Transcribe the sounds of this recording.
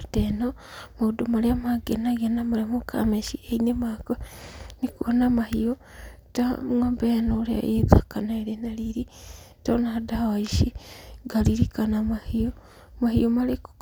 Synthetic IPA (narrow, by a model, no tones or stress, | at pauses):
teno | maudomaɾeamaɡenaɣenamaɾemokʰa̰meʃieinemakoenikuonamahio | tawambenoɾea̰eðakanaeɾenaɾiɾitonadawaiʃiɡaɾiɾikanamahio | mahiomaɾek